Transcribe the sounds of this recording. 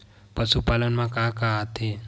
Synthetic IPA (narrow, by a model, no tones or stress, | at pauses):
pəsupaːlənmãkaːkaat̪e